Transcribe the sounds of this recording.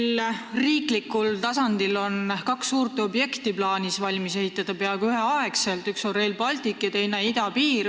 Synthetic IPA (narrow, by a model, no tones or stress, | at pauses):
lriːklikːult̪ɑsɑnd̪ilo̞nkɑksːuːrt̪eo̞bje̞kt̪iplɑːnisvɑlʲmise̞ɦit̪ːˑɑd̪̥ɑpe̞ɑɡ̥yɦe̞ɑekse̞lt̪ykso̞re̞ːlpɑlʲt̪ikːˑet̪e̞jnɑid̪̥ɑpiːɾ